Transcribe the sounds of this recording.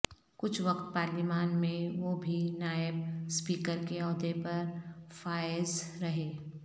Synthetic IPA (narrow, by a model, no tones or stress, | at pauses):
kʊt͡ʃʰʋɐqt̪̚paːɾlɪmaːnmẽʋoːbʱinaːɪbspiːkəɾkeɔːd̪epɐɾfaːɪzɾɐɦeː